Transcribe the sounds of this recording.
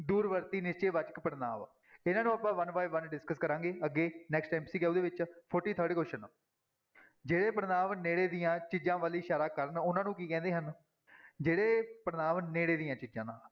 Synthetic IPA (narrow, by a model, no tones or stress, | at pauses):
d̪uːɾʋəɾt̪iːnɪst͡ʃeːʋət͡ʃəkpəɾna̰ːʋ | ɪnãːnũːəpãːʋənʋaːiʋʋənɖɪskəskəɾãːŋɡeːəɡːeːnɛːksʈɛːmpsiːɡɛːuːd̪eːʋɪt͡ʃpʰɔːɾʈiːt̪ʰəːɾɖikoʃən | d͡ʒeːɽeːpəɾnaːʋneːɽeːd̪ijãːt͡ʃiːd͡ʒãːʋaːliːʃaːɾaːkəɾnʊnãːnũːkiːkɛ̃ːnd̪eːɦən | d͡ʒeːɽeːpəɾənaːʋneːɽeːd̪ijãːt͡ʃiːd͡ʒãːnãː